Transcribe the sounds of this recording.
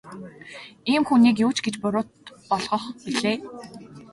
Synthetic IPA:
iːmxuniːk̬juːt͡ɕɡet͡ɕpʊɾʊːt̪̚pɔɮʁɞ̆χpiɮeː

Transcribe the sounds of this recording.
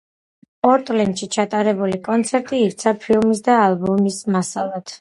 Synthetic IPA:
pʼɔɾt̪ʼlɛnd̪ʃit͡ʃʰat̪ʼaɾɛbulikʼɔnt̪sʰɛɾt̪ʼiːɾt̪sʰapʰilˠmis̬d̪aːlˠbɔmismasalˠat̪ʰ

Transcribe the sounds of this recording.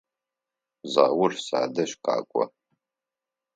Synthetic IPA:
zaːwʊrsa̰ːdɐɕqa̰ːkʷʼɔ̰

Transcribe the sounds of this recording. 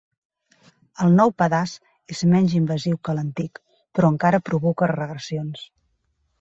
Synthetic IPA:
əlˠnɔwpəðas | ezmɛɲʲzimbəziwkələnt̪ik | pɾɔəŋkaɾəpɾuβɔkərəɣɾəsions

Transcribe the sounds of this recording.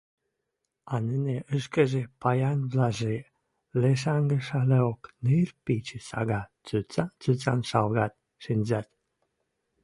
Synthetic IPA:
ɑneneʔəʃkəʒepɑjɑnβlɑʒe | leʃ̬ɑŋɡə̆ʃɑleoknerpit͡ɕəsɑ̰ɣɑt͡syt͡sɑt͡sut͡sɑnʃɑlɣɑt̪̚ | ʃinʲzɑt̪

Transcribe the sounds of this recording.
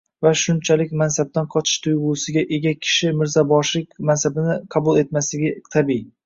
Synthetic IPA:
vaʃʊnt͡ʃʰalɪk̚ʲmansab̚t̪anqʰɒt͡ʃ̪ʰɪ̥ʃt̪ʰʊjʁʊːsɪɡʲaʔe̞ɡʲakʲʰɪ̥ʃɪmɪɾzabɒʃlɪkʲmansabɪnɪqʰɑbʊlˠe̞t̪maslɪɡʲɪt̪ʰabi

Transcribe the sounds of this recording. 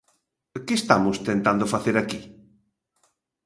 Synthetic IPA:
kɪst̪amʊst̪ent̪and̪ʊfaθeɾaki

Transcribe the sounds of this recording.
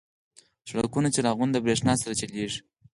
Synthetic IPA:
sɽakunat͡ʃeɾaɣund̪əbɾeʂnɑsaɾat͡ʃaleʐi̥

